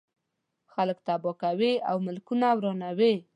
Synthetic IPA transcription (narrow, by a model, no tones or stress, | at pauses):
xaləkt̪abɔkaweawmɪlkunawɾɑnawe